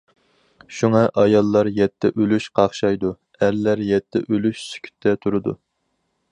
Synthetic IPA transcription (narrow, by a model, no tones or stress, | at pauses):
ʃuŋɑʔɑjɑlˠːɑɾjɛt̪ʰːɛ̰ʔølyʃqʰɑχʃɑjd̪u | æɾlæɾjɛt̪ʰːɛ̰ʔølyʃsy̥kʲʰy̥t̪ʰːɛt̪ʰuɾɨd̪ṵ